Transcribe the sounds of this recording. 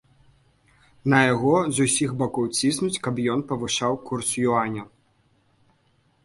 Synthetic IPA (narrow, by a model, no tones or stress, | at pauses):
nɐjaɣɔzusʲixbakɔwt͡sʲisnut͡sʲkɐbjɔnpɐvɨʂawkursjuanʲɐ